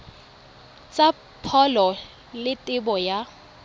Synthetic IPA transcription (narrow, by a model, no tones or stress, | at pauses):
t͡sʼa | pʰɔlɔ | lɪtʼɪbɔja